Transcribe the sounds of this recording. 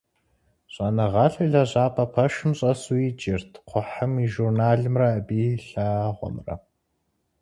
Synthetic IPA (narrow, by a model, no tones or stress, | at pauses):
ɕʼɐnɐʁɑɬɐɮɐʑaːpʰʼɐpʰɐʃɨmɕʼɐsuid͡ʒɪrtʰqʷʰʊħəmiːʒurnaːɮɨmrɐbiːɬaːʁʷɔ̰mrɐ̰